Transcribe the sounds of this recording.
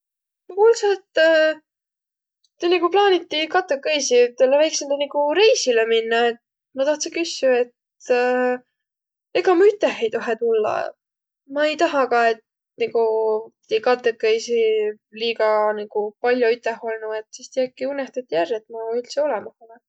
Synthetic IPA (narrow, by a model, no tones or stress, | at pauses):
mukulsɑt̪ː | t̪ːeniɡuplɑːnit̪ːikɑt̪ːˑekːejsit̪elːevæjksind̪ɑniɡuɾe̞jsileminːɑe̞t̪̚ | mɑt̪ɑht̪sikysjue̞t̪ | e̞ɡɑmuyt̪ːˑehejt̪oɦet̪ulːɑ̰ | mɑe̞jt̪ɑɦɑkɑe̞t̪̚ | niɡu | ekɑt̪ˑːekːˑejsi | liːkɑniɡ̥upɑlʲjoyt̪ːˑeho̞lnue̞t̪sist̪ijæɡ̚kːiunːest̪ɑt̪ʲːijærːet̪mɑylʲt̪sio̞lɛmɑhɑnɑ